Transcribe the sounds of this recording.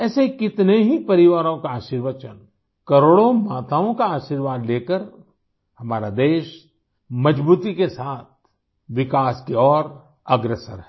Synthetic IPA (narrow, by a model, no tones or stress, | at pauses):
ɛːsekɪt̪neɦipɐɾɪʋaːɾõkaaːʃiːɾʋət͡ʃən | kɐɾoːɽõmaːt̪aːõkaaːʃiːɾʋaːd̪leːkəɾ | hɐmaːɾad̪eːʃ | mɐd͡ʒbuːt̪ikesaːt̪̚ʰ | ʋɪkaːskeɔːɾ | ɐɡɾesəɾɦɛ